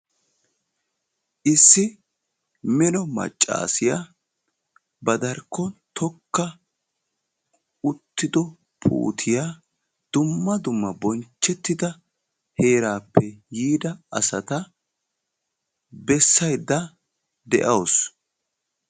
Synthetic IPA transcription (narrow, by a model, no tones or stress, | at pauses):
ʔɪsːɪ | mɛnɔmɐ̰t͡ʃʼːa̰ːsɪja | bɐd̪ɐɾkːɔt̪ʰɔkːɐ | ʊt̪ːɪd̪ɔ | pʰṵːt̪ʰɪja | d̪̥ʊmːɐd̪ʊmːɐbɔnt͡ʃːɛt̪ːɪd̪ɐ | heːɾaːpːɛjiːd̪ɐɐsɐt̪ɐ | bɛsːɐjd̪ːɐ | d̪ɛ̰ʔɐws